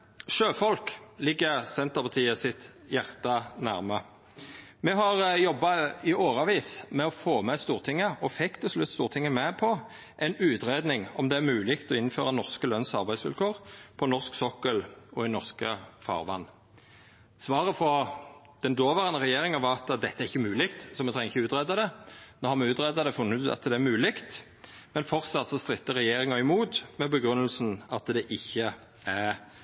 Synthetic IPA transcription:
ʃøːfɔlklɪɡːəʁsɛnt̪əpʰɑt̪ʰiːəsɪt̪jæʁt̪ɑnæʁmə | mɛɦɑʁjɔbːɑɪʔoːʁɑʋiːsmɛɔfoːmɛst̪uːʁt̪ʰɪŋːəʔɔfɛkːt̪ʰɛlslʉt̪ːst̪uːʁt̪ʰɪŋːəmɛpʰɔ | ʔɛnʉːt̪ɾeːd̪nɪŋɔmd̪ɛæʁmʉːlɪkt̪ɔɪnføːʁɑnɔʁskəlœnsɑ̰ʁbæɪsʋɪ̰lkʰoːʁpʰɔnɔʁsksɔkːəlɔɪnɔʁskəfɑ̰ːʁʋɑ̰nː | sʋɑːʁəfɾɔ | d̪̥ɛnd̪oːʋəʁənəʁɛjeːʁɪŋənʋɑʁɑt̪d̪ɛt̪ːəæɾʁɪçːəmʉːlɪkt̪sɔmɛt̪ʰʁɛŋəɪçəʉːt̪ʁɛd̪ɑd̪ɛnoːhɑʁmɛʉːt̪ɾɛd̪ɑd̪ɛfʊnːʉɑ̰t̪ːd̪ɛæmʉːlɪkt̪ | mɛnfɔʁt̪sɑt̪ːsɔst̪ʁɪt̪ːəʁɛjeːɾɪŋɑɪmuːt̪mɛbəɡɾʉnːəlsnɑt̪d̪ɛʔɪçːə | æʁ

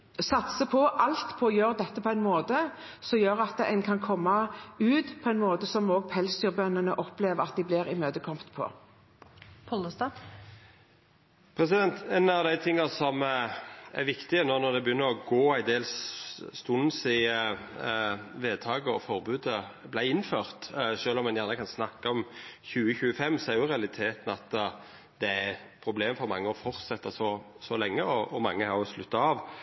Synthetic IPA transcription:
sɑt̪səpʰɔʔɑlt̪pʰɔɔjøːɾd̪ɛt̪ːəpʰɔæɪnmoːt̪ə | sɔmjøːɾɑt̪ːəɛɪnkʰɑnkʰɔmːɑʉːt̪pʰɔæɛɪnmoːt̪əsɔmoːɡ̚pʰɛlsd̪yːʁbœnːənəʔɔpleːʋəɾɑt̪̚d̪ɪblɪɾɪmøːd̪əkʰɔmpt̪pʰɔ̰ | pʰɔləst̪ɑ | pʰɾɛsɪd̪ɛnt̪ɛnɑʋd̪æɪt̪ʰɪŋːɑsɔm | æɾʋɪkt̪ɪənɔʁnɔd̪ɛbjʏnːəɾɔɡoːæɪd̪eːlsst̪ʉnsɪ | ʋeːd̪̚t̪ʰɑːɡəɔfɔɾbʉːd̪əblæɪɪnːføːɾt̪ʂøːlɔmːɑnjæːʁnəkʰɑnsnɑkːɑɔmçʉːəçʉːəfɛmːsɔæɾjʊɾɛɑlɪt̪ʰeːt̪n̩ɑt̪ | d̪̥ɛæ | pʰɾʊbleːmfɔɾmɑŋːəɔfɔɾt̪sɛt̪ːəsɔsɔlɛŋːəɔʔɔmɑ̰ŋːəhɑɾjʊslʉt̪ːɑɑːʋ

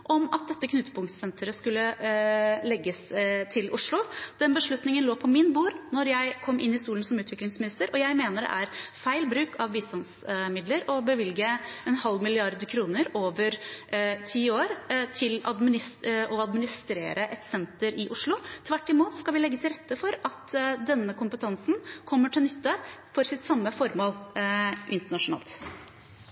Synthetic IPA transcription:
ʔɔmɑt̪̚d̪ɛt̪ːəkʰnʉt̪ːə̥pʰʊŋt̪sɛnt̪ʰəɾəskʉlːə | lɛɡːəst̪ʰɪlʔʊʂlʊd̪̥ɛnbəʂɭʉt̪nɪŋənloːpʰɔmɪnbuːɾnɔɾjæɪkʰɔmːʔɪ̰nːɪsuːlən̩sɔmʉːt̪ʰʋɪklɪŋsmɪnɪst̪əɾʔɔjæɪmeːnəɖɛ̰ʔæɾfæɪlbɾʉːkʰɑʋbiːst̪ɑnsmɪd̪ləɾɔbəʋɪlɡəɛnhɑlːmɪlɪɑɾd̪əkʰɾuːnəɾoːʋəɾt̪ʰiːoːɾt̪ʰɪlɑd̪mɪnɪsɔɑd̪mɪnɪst̪ɾḛːɾəʔɛt̪sɛnt̪əɾʔɪʔʊʂlʊt̪ʰʋæʈːɪmuːt̪skɑlʋɪlɛɡːət̪ʰɪlɾɛt̪ːəfɔɾɑt̪d̪ɛnːəkʰʊmpət̪ʰɑnsn̩kʰɔmːəʈʰɪlnʏt̪ːəfɔɾsɪt̪sɑmːəfɔɾmoːlʔɪnt̪əɳɑʂʊnɑ̰ːlt̪

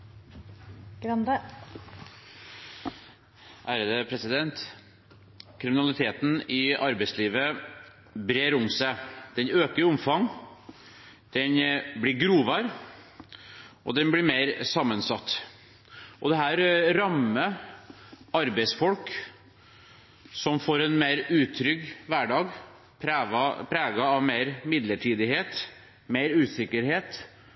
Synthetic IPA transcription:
ɡ̥ɾɑnd̪ə | ʔæːɾəd̪əpʰɾɛsɪd̪ɛnt̪ | kʰɾɪmɪnɑlɪt̪ʰeːt̪n̩ɪʔɑɾbɛɪsliːʋə | bɾeːɾʊmsæɪd̪̥ɛnøːkəʊmfɑŋ | d̪̥ɛnblɪɡɾuːʋɑɾ | ʔɔ̰d̪ɛnblɪɾmeɪɾsɑmːənsɑt̪ː | ʔɔd̪ɛɦæːɾɾɑmːə | ɑɾbɛɪsfɔlk | sɔmfoːɾɛnmeɪɾʉːt̪ʰɾʏɡʋæɖɑːɡʰ | ɾʋɑpʰɾæːɡɑɑʋmeɪɾmɪd̪ləʈʰiːd̪ɪheːt̪ | meɪɾʉːsɪkːəɾheːt̪

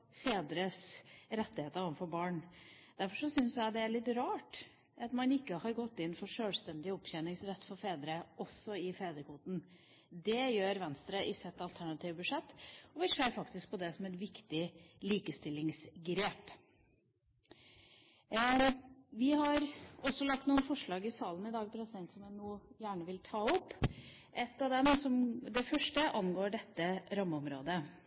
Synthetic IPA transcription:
feːd̪ɾəsɾɛt̪ːɪheːt̪əɾɔʋənfɔɾbɑːɳd̪̥æɾfɔʂɔsʏnsjæɪd̪ɛæɾɭɪt̪ɾɑːʈ | ɑt̪mɑnɪkːəhɑɾɡɔt̪ːɪnːfɔɾʂøːlst̪ɛnd̪ɪɔpːçɛnɪŋsɾɛt̪ːfɔɾfeːd̪ɾəʔɔsːɔɪfeːd̪ɾəkʰuːt̪n̩ | d̪ɛjøːɾʋɛnst̪ɾəʔɪsɛt̪ːɑlt̪ʰæɳɑt̪ʰiːʋbʉʂɛt̪ːɔʋɪseːɾfɑkt̪ɪsk̚pʰɔd̪ɛsɔmɛt̪ʋɪkt̪ɪliːkəst̪ɪlːɪŋsɡɾeːp | ʋɪhɑɾɔsːɔlɑk̚t̪nuːənfɔʂɭɑːɡɪsɑːlən̩ɪd̪ɑːɡpʰɾɛsɪd̪ɛnt̪sɔmjænuːjæːɳəʋɪlt̪ʰɑːɔpː | ʔɛt̪ːɑd̪ɛmsɔmd̪ɛfœʂʈəʔɑnɡoːɖɛt̪ːəɾɑmːəɔmɾoːd̪ə

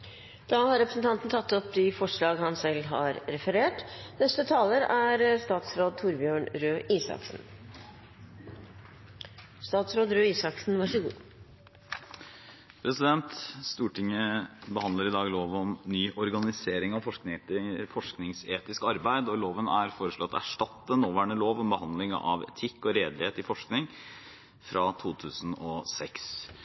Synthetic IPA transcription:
d̪̥ɑːhɑɾɛpɾəsn̩t̪ʰɑnt̪n̩t̪ʰɑt̪ːɔpd̪ɪfɔʂɭɑːɡhɑnsɛlːɦɑɾɾɛfəɾeːʈnɛst̪ət̪ʰɑːləɾæɾst̪ɑːt̪sɾoːd̪̚t̪ʰuɾbjøːɳɾøːʔiːsɑ̰ksn̩ | st̪ɑːt̪sɾoːd̪ɾøːiːsɑksn̩ʋɑʂəɡṵː | pʰɾɛsɪd̪ɛnt̪st̪uːʈɪŋəbəhɑnd̪ləɾɪd̪ɑːɡloːʋɔmnyːʔɔɾɡɑnɪseːɾɪŋɑʋfɔʂknfɔʂknɪŋseːt̪ɪskəɑɾbæɪd̪ɔloːʋənæɾfoːɾəʂɭɔt̪æ̰ʂʈɑt̪ːənoːʋæːɳəloːʋɔmbəhɑnd̪lɪŋə̰ʔɑ̰ʋɛ̰t̪ʰɪkːɔɾeːd̪lɪheːt̪ɪfɔʂknɪŋ | fɾʔɑːt̪ʰuːt̪ʰʉːsn̩ɔsɛks

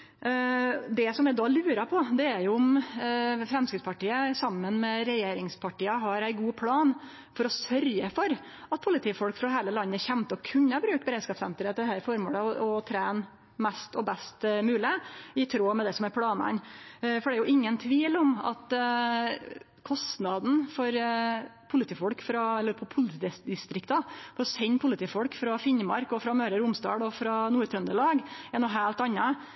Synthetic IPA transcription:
d̪ɛsɔmʋɛd̪ɑːlʉːɾɑpʰɔd̪ɛæɾjʊʊm | fɾɛmskɾɪt̪spɑʈiːəsɑmːənmɛɾɛjeːɾɪŋspʰɑʈiːəɦɑɾæɪɡuːpʰlɑːn | fɔɾɔsœɾjəfɔɾ | ɑt̪̚pʰʊlɪt̪ʰiːfɔlkfɾɑɦæɪləlɑnːəçɛmt̪əɔkʰʉɲːəbɾʉːkbəɾeːd̪skɑːpsɛ̰nt̪əɾəd̪ɛhæɾfɔɾmo̰ːləɔt̪ʰɾæːn | mɛst̪ɔbɛst̪mʉːlɪɪt̪ʰɾoːmɛd̪ɛsɔmæɾpʰɽɑːnɑ̰nfɔɖ̪ɛæɾjʊʔɪŋːənt̪ʰʋiːlɔmɑ̰t̪ | kʰɔst̪nɑd̪n̩fɔɾpʰʊlət̪ʰiːfɔlkfɾɑɛlːəɾpʰɔpʰʊlt̪ʰiːd̪ɪst̪ɾɪkt̪ɑfɔɾɔsɛɲːpʰʊlət̪iːfɔlkfɾɑfɪɲmɑɾkɔfɾɑmøːɾəɾʊmst̪ɑ̰ːɽɔfɾɑnuːɾt̪ʰɾœnd̪əlɑːɡænɔɦæːlt̪ɑnːə

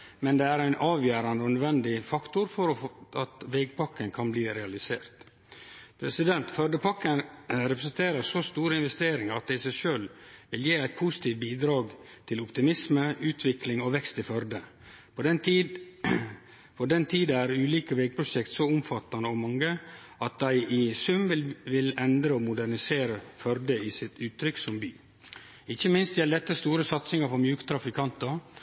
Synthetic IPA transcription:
mɛnd̪ɛːæɾæɪnʔɑːʋjæːɾɑnd̪əɔnœd̪ʋɛnd̪ɪfɑkt̪ʊɾfɔɾɔɑt̪ʋeɡpʰɑkːənkʰɑnbliːɾɛɑlɪsḛːɾt̪ | pʰɾɛsɪd̪ɛnt̪fœɾd̪əpʰɑkːənɾɛpɾəsənt̪ʰeːɾəɾsɔst̪uːɾəɪnʋɛst̪eːɾɪŋəɾɑt̪̚d̪ɛɪɪsæɪʃøːlʋɪljeːæɪt̪̚pʰʊsɪ̥t̪ʰiːʋ̚biːd̪ɾɑːɡ | t̪ʰɪlʊpt̪ɪmɪsməʉːt̪ʰʋɪklɪŋɔʋɛkst̪ɪfœɾd̪ə | pʰɔd̪ɛnt̪i | fɔd̪ɛnt̪ʰiːd̪əæɾʉːliːkəʋeːɡ̚pʰɾʊʃɛkt̪sɔʊmfɑt̪ːɑnəɔmɑŋːə | ɑt̪̚d̪æɪʔɪsʉmʋɪlɛnd̪ɾəɔmʊd̪æɾnɪseːɾəfœɾd̪əɪsɪt̪ʉːt̪ʰːɾʏksɔmbyː | ɪçːəmɪnst̪jɛld̪ɛt̪ːəst̪uːɾəsɑt̪sɪŋəfɔɾmjʉːkt̪ʰɾɑfɪkʰɑnt̪əɾ

